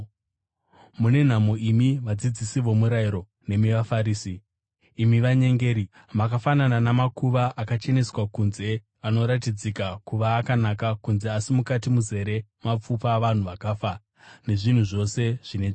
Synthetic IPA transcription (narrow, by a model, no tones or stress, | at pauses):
mune̞n̤amo̞imiʋad͡zid͡zisiʋo̞muɾaiɾo̞ | ne̞miʋafaɾiːsiː | miʋaɲe̞ŋɡe̞ːɾi | makafanananamakuʋaʔakat͡ʃe̞ne̞swakunze̞ | ano̞ɾatid͡zikakuʋaːkanakakunze̞asimukatimuze̞ɾe̞map͡fupaʋan̤uʋakaːfa | ne̞ʐin̤uʐo̞se̞ʐ̥ine̞ʐ